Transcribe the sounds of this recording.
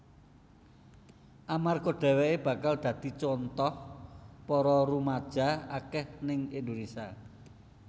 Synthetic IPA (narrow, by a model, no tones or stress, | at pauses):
ʔamarkoɖ̪̥ɛ̤wɛeb̥ä̤kald̪̥ä̤d̪̥i̤t͡ʃɔnt̪ɔhpɔɾɔɾumad̥ʒ̥a̤akɛhnɪŋend̪unisa